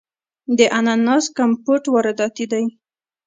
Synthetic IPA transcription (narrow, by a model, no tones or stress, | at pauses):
d̪əʔananɑskampoʈwaɾad̪ɑt̪id̪aj